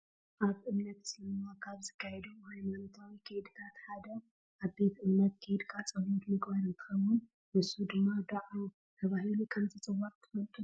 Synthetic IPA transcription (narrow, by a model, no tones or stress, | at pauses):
ʔaβɨmnət̪sɨləməwakʰʼaβzɨkʰːajɛd̪əwhajmanot̪ʰawnkʰed̪ɨt̪ʰat̪had̪əw | ʔabet̪ɨmːət̪̚kʰed̪kʼat͡sʼəwot̪mɨɡβaɾɨt̪ʰɨ̥kəwun | ʔɨsːud̪ɨmːad̪aʔw | h̪ʰəβaɦinkʰəmzisʼɨwaɾt̪ʰːɨ̥fəlt̪ʼu